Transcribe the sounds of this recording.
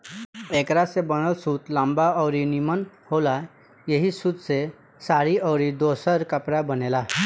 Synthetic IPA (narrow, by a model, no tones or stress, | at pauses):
ekɾasebəñəlsuːt̪lambaəwɾinimənhola | jeɦiːsud̪t͡se | saɾiəwɾid̪osəɾkapɽabənela